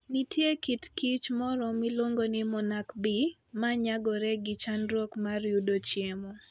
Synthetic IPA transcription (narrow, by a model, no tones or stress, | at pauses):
nitjekitkit͡ʃmɔɾɔmɪloŋɡonɪmɔnakbi | maɲaɡɔɾɛɡɪt͡ʃanɾwokmarjudot͡ʃjemɔ